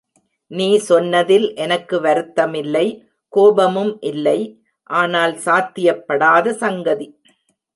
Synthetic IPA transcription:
niːsɔnːɐðɪlʔɛnɐkːɯʋɐɾɯt̪ːɐmɪlːɐɪ | koːbɐmɯmʔɪlːɐɪ | ʔaːnaːlsaːt̪ːɪjɐpːɐɽaːðɐsɐŋɡɐði

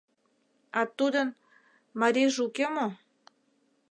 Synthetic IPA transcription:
ɑt̪ud̪ən | maɾiʒukemo

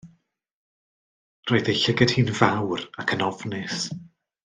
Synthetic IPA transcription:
roːðejɬɪɡəd̥hiːnvawrakʰənɔvnɪs

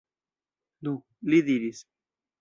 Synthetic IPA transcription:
nu | liðiɾis

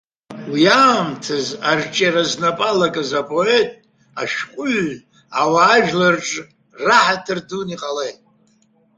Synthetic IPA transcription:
wiaːmtʰazart͡ʃʼaɾaznapʼalakʼazapʼo̞e̞tʼ | aʃqʷʼʊɥ | awaːʒᶣlarʈ͡ʂʼ | raħatʰɨrduniqʼalejtʼ

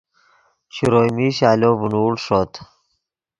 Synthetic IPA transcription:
ɕuɾoːjmiɕaːloːbunuːɽʂoːt̪

